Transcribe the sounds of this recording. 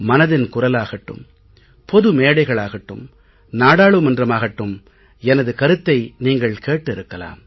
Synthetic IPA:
mɐnɐðɪnkʊrɐlaːɣɐʈːɯ̰m | pɔðɯmeːɽɐɪɣɐɭaːɣɐʈːɯ̰m | naːɽaːɭɯmɐndrɐmaːɣɐʈːɯm | ɛnɐðɯkɐɾɯt̪ːɐɪniːŋɡɐɭkeːʈːɪɾɯkːɐla̰ːm

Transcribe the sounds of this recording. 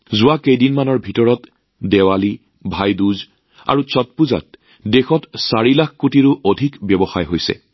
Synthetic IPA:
zʊwakejdinmanɔɹbʱitɔɹɔt | dɛwali | bʱajduz | a̰ɹusɔt̚puza̰t̚ | dexɔtsaɹilakʰkutiɹʊʔodʱikbjɔbɔxajɦojsɛ̰

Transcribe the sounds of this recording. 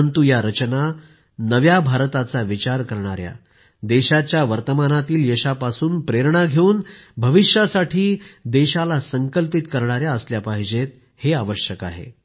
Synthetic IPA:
nt̪ujaɾət͡ɕna | nəʋjabʱaɾt̪at͡saʋit͡ɕaɾkəɾɳ̃aɾja̰ | d̪eɕat͡ɕjaʋəɾt̪əmanat̪iːljəɕapasuːnpɾeɾɳaɡʱeuːnbʱəʋiɕjasaʈʰiːd̪eɕalasəŋkəlpit̪kəɾɳ̃aɾjaəsljapaɦid͡ʑet̪̚ | heaʋəɕjəka̰ɦḛ

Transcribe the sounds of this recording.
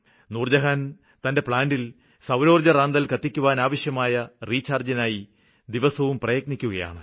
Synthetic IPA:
nuːrd͡ʑɐɦan | t̪ɐnde̞pɭaːndil | sɐwɾo̞ːrd͡ʑɐraːnd̪ɐlkɐt̪ːikʲːuʋaːnaːʋɐɕjɐmaːjɐriːt͡ɕaːrd͡ʑɐnaːji | d̪iʋɐsɐʋumprɐjɐknikʲːuɣɐja̰ːɳɨ

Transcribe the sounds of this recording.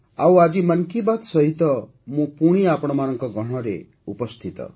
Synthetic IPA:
awad͡ʒimʌnkibat̪sʌɦit̪ɔ | mũpuɽ̃iapɔɽ̃ɔmanɔŋkɔɡɔɽ̃ɔɾḛ | upɔst̪ʰit̪ɔ̰

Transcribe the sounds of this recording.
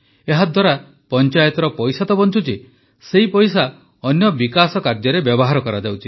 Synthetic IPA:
eɦad̪waɾa | pɔnt͡ʃajɔt̪ɔɾɔpɔjsat̪ɔbɔnt͡ʃʰut͡ʃi | seipɔjsa | ɔnjɔbikasɔkaɾd͡ʒɔɾebjɔbɔɦaɾɔkɔɾad͡ʒawt͡ʃʰi

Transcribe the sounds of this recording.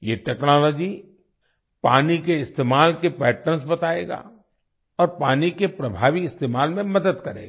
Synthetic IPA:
jeʈɛːknɔːlɔːd͡ʒi | paːnikeɪst̪eːmaːlkepɛːʈəns̬bɐt̪aːeːɡa̰ː | ɔːɾpaːnikepɾɐbʱaːʋiɪst̪eːmaːlmẽmɐd̪əd̪kɐɾḛːɡa

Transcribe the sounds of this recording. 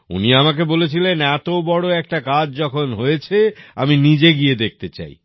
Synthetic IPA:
ṵniamak̬ebolet͡ɕʰilenɛt̪obɔɽoɛk̚ʈakad͡ʑd͡ʑɔkʰonɦojet͡ɕʰea̰minid͡ʑeɡied̪ek̚t̪et͡ɕa̰j

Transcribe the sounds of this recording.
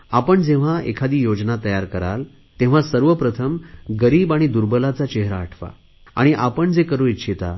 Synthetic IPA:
apəɳd͡zẽʋ̤aḛkʰad̪iːjod͡znat̪əjaɾkəɾa̰l | t̪ẽʋ̤asəɾʋəpɾət̪ʰəmɡəɾiːbaɽ̃id̪uɾbəlat͡sat͡ɕeɦɾaːʈʰʋa̰ | a̰ɽ̃iʔapəɳd͡zekəɾuit̪ːɕʰet̪a

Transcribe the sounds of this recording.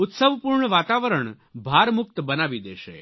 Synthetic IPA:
ʊt̪səʋpuɾɳəʋaːt̪aʋəɾəɳ | bʱaɾmʊk̚t̪bənaʋid̪eːʃḛ

